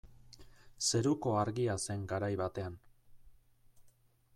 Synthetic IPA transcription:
se̞ɾuko̞aɾɣiase̞ŋɡaɾajβat̪e̞an

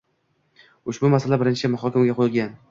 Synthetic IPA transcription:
ʊʃbʊmasalabɪɾɪnt͡ʃʰɪmʊɦɒkʲɪmɡʲaqʰojɪlˠɡʲan

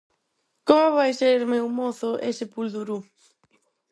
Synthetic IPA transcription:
komβajseɾmewmoθʊʔesɪpuld̪uɾu

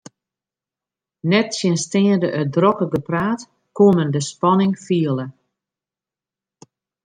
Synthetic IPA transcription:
nɛtsjənstɪːəndəʔədrɔkəɡəpraːt | kuəməndəspɔnɪŋfiəlˠə

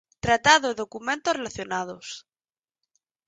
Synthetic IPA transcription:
t̪ɾat̪aðoeðo̞kumẽnt̪orelaθjonað̞os

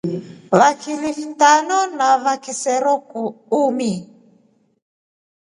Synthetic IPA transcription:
βakʰilifitanɔnaβakisɛɾɔkuumi

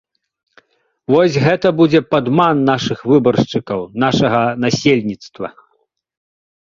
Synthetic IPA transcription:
vɔsʲɣɛt̪ɐbud͡zʲɛpad̪manːaʂɨxvɨbɐrʂt͡ʂɨkɐwnaʂɐɣɐnasʲelʲnʲit̪st̪vɐ

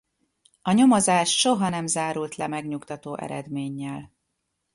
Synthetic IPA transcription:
ɒɲo̞mozaːʃʃo̞ɦɒnɛmzaːɾult̪lɛmɛɡɲukt̪ɒt̪oːʔɛ̰ɾɛd̪meːɲːɛl

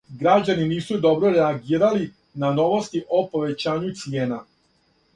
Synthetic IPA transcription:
ɡɾad͡ʑaniniːsud̪o̞bɾo̞ɾeaɡiːɾali | nano̞ʋo̞st̪iʔo̞po̞ʋe̞t͡ɕaːɲut̪sije̞ːna

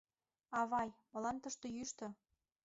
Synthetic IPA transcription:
ɑβɑjmɤ̆lɑnt̪ə̆ʃt̪ɤ̆jyʃt̪ɤ̆

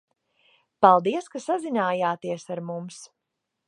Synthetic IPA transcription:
palˠd̪iɛskasazinaːjaːt̪iɛsaɾmums

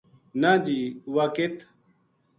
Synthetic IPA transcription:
naːd͡ʒiːwaːket̪ʰ

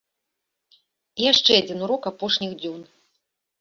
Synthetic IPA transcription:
jaʂt͡ʂɛad͡zʲinuɾɔkapɔʂnʲixd͡zʲɔn

